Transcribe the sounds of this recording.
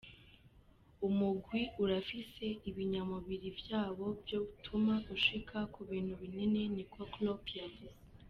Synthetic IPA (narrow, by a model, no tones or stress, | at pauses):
umuɡwiuɾafise̞iβiɲamuβiɾivjaːβo̞bjo̞βutʰumaɡuʃikʰakuβiːn̥huβinine̞nikoklopjad